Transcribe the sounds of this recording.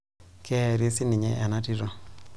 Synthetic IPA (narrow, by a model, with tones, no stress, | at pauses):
kɛ˦˨ɾi˦si˦ni˨ɲɛ˦ʔɛ˨na˦ti˦ɾɔ˨